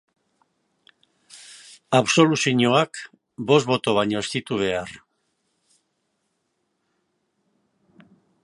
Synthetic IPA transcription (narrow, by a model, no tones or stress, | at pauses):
aβso̞lusiɲoak | bo̞zbo̞t̪o̞β̞aɲo̞est̪it̪uβ̞e̞ar